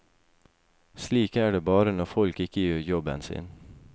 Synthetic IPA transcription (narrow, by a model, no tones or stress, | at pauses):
sliːkæːɖeːbɑːɾənɔfɔlkɪkəjøːɾjɔbə̰nsɪ̰ːn